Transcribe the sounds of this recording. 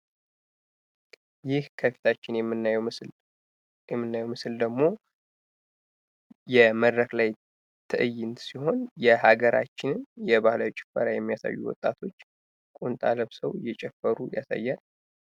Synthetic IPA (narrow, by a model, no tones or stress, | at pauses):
jɪhkʰəfi̥t̪ʰat͡ʃːɪnjɛmːɨnj | jɛmːɨnːajɛwmɨsɨld̪əɡmo̞ | jɛməd̪ɾəklaj | t̪ʰɨʔɨjɪnsiho̞njɛhaɡəɾa̰t͡ʃːɪnɨnjɛbahlawit͡ʃʼɪ̥fə̰ɾajɛmːijasa̰jːṵwɔ̰t̪ʼːat̪ʰo̞t͡ʃː | kʼunt̪ʼaləβsəwjɛt͡ʃʼɛfːəɾujasa̰jːanə